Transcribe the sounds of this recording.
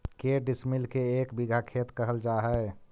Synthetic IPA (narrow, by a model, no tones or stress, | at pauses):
keɖismilkeekbiɡʱakʰet̪kəɦəld͡ʒaɦɛ